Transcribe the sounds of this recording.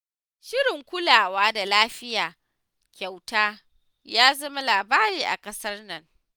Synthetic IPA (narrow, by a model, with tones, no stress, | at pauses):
ʃɪ˦ɽɪ˨ŋkʷʊ˦laː˨waː˦da˨laː˦ɸɪ˦jaː˨ | kʲa˨wtaː˦ | jaː˦zɐ˦ma˦laː˨baː˦ɾiː˨ʔa̰˨kɐ˦sɐ˦rnɐ˦ŋ